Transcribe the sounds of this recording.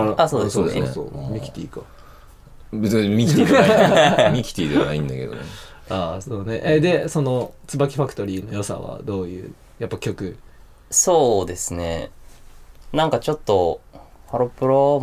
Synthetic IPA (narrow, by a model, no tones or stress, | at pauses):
aasoːd̪soːd̪esso̰ːmʲikʲi̥t̪ʲiːka | bɯt͡smʲi | mʲikʲi̥t̪ʲiːd̪eanaĩnd̪ake̞d̪oneaːso̞ːne̞ʔed̪e̞so̞no̞t͡sɨbakʲi̥ɸakɯ̟̥t̪o̞ɾʲiːno̞jo̞sa̰βa̰d̪o̞ːjɯ̰ː | japːakʲo̞kɯ̟ | soːd̪e̞sɨne̞̰ | nãŋkat͡ɕo̞t̪ːohaɾopɯ̟ɾo